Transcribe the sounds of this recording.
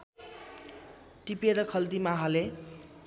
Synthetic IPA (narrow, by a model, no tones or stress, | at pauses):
ʈipeɾʌkʰʌlt̪imaɦʌle